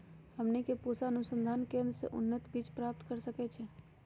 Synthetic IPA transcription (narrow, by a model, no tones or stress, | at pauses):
həmnikepusaənusə̃nd̪ʱaːnkẽnd̪ɾəsḛʔṵnːət̪bit͡ʃpɾap̚t̪kəɾsəkɛt͡ʃʰɛ